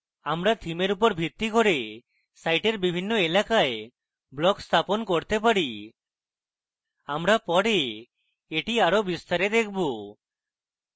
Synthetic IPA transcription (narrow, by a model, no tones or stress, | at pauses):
amɾat̪ʰimeɾupɔɾbʱit̪ikoɾe | sajʈeɾbibʱinːoelakae | blɔkst̪ʰaponkoɾt̪epaɽi | amɾapɔɽe | eʈiaɾobist̪aɾed̪ek̚ʰbu